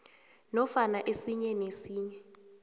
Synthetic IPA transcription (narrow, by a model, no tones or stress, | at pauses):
nɔfanaʔesiɲɛnesiːɲɛ